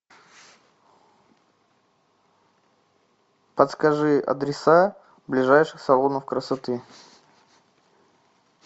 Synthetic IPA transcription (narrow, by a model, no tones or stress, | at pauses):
pət̪skɐʐɨɐ̰d̪ɾʲɪsa | blʲɪʐajʂɨxsɐlˠonəfkɾəsɐt̪ɨ